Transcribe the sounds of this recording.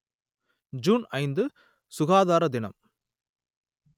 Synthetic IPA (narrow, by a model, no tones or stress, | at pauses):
d͡ʒuːnɐɪnd̪ɯ | sʊɣaːðaːɾɐd̪ɪnɐ̰m